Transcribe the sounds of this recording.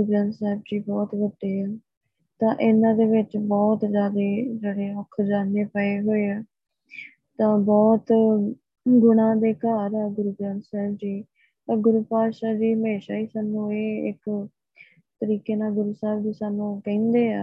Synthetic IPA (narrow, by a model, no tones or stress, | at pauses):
ɡuːɡɾãːnsɛːb̚d͡ʒiːbɔːt̪ʋəɖeːɛː | t̪ãːʔɪnãːd̪eːʋɪt͡ʃbɔːt̪zjaːd̪eːd͡ʒeːɽeːɔkʰːd͡ʒaːneːpəeːɦoːeːɛː | t̪ãːbɔːt̪ | ɡʊɳãːd̪eːkaːɾɛːɡʊɾuːɡɾɛ̃ːnsɛːbd͡ʒiː | əɡʊɾuːpaːʃaːd͡ʒiːɦəmeːʃaːiːsaːnũːeːɪ̰k | t̪əɾiːkeːnaːɡʊɾuːsaːbd͡ʒiːsaːnũːkɛ̃ːnd̪eːaː